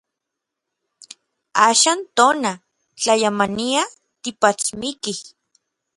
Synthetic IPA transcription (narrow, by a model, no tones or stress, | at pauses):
aːʃaːnt̪oːna | t͡ɬajamania | t̪ipat͡smikih